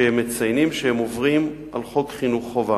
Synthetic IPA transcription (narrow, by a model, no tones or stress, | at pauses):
ehemːet͡sajnimʃehemovʁimʔalχo̞kχinuχːova